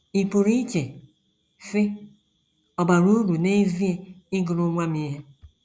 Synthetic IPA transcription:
i˨pu˨ɾi˦t͡ʃe˨ | fɪ˦ | ɔ˨ba˨ɾu˦ɾu˨ne˦vi˦e˦ɪ˦ɡʊ˨ɾʊ˦ŋʷa˦mi˦ɦe˦

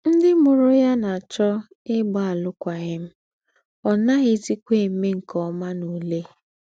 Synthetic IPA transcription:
n̩˦dɪ˦mʊ˨ɾʊ˦ja˦na˨t͡ʃɔ˦ | ɪ˦ɡ͡ba˦˨a˨lʊ˦kʷa˨ɣɪ˦m̩˦ | ɔ˨na˦ɣɪ˦ti˦kʷe˦˨˦me˦ŋ̩˨kɔ˨˦ma˦nu˨le˦

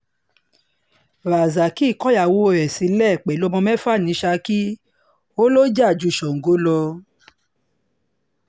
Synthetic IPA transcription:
ɾa˨za˨ki˦˨kɔ˦ja˨wo˦˨ɾɛ˨si˨˦lɛ˦˨k͡pɛ˨˦lo˦mɔ̃˧mɛ̃˦fa˦˨nĩ˨˦ʃa˧ki˦ | o˦lo˦d͡ʒa˦˨d͡ʒu˧˨ʃɔ˨ŋ̩˨ɡo˨˦lɔ˧

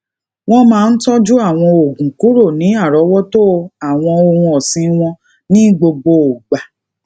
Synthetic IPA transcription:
w̃ɔ̃˦mãː˦˧n̩˦tɔ˦d͡ʒu˦a˦˨w̃ɔ̃˧o˨ɡũ˨ku˨˦ɾo˦˨nĩ˨˦a˦˨ɾɔ˨˦wɔ˦to˦˧a˨w̃ɔ̃˧o˧hũ˧ɔ˨sĩ˧˦w̃ɔ̃˧ | nĩ˦ɡ͡bo˧ɡ͡bo˧o˨ɡ͡ba˨

